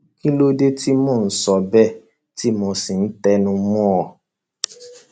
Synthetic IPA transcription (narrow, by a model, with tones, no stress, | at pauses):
kĩ˦lo˦de˦ti˦mɔ̃ː˦˨n̩˨˦sɔ˧bɛ˦˨ | ti˦mɔ̃˧si˨n̩˦tɛ˦nũ˧m̃ɔ̃˦ɔ˨